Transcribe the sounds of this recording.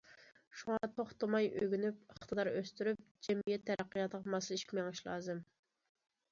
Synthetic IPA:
ʃuŋɑt̪ʰoχt̪ɑmɑjøɡʲynypəχt̪ʰəd̪ɑɾøst̪yɾyp̚d͡ʒɛmijɛt̪ʰːɛɾæqːijɑt̪əʁmɑsɨlɪʃkʲmɛŋɪʃlˠɑːzɨm

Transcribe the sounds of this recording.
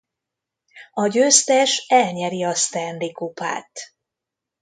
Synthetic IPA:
ɒɟøːst̪ɛʃɛlɲɛɾiɒst̪ɛnd̪ikupa̰ːt̪

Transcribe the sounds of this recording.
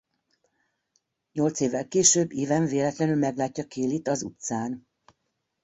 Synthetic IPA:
ɲo̞lt̪seːvːɛlkeːʃøːbːiːvɛɱveːlɛt̪lɛnylmɛɡlaːcːɒkeːlit̪ɒzṵt̪saːn

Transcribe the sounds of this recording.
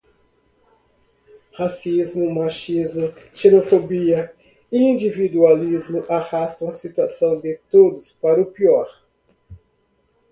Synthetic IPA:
hasizmʊmaʃizmʊ | senofobiɐ | iĩd͡ʒivid̪ualizmʊʔahast̪ɐ̃w̃ɐsit̪uasɐ̃w̃d̪ɪt̪od̪ʊspaɾɐʊpiɔɾ

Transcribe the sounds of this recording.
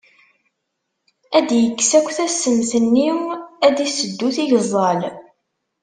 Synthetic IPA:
æd̪jəkːsækʷθæsːənθənːiæd̪isəd̪ːuθiʝzˤɑl

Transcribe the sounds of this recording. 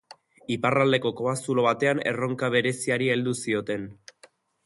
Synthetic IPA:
iparald̪e̞ko̞ko̞βasulo̞βat̪e̞ane̞̰ro̞ŋkaβ̞e̞ɾe̞siaɾie̞ld̪usio̞t̪e̞n

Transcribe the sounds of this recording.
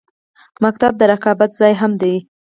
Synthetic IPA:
mak̚t̪ab̚d̪əɾaqɑbat̪zɑjɦamd̪e

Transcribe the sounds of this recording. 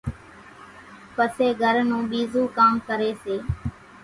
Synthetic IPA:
pəseːɡʱəɾnũːɓiːzũːkaːmkəɾeːseː

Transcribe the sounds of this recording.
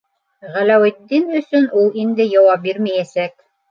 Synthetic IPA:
ʁælæwɘ̆d̪ːinɵ̆sɵnʔulˠind̪ɘjɑwɑp̚biɾmæjæsæk̚

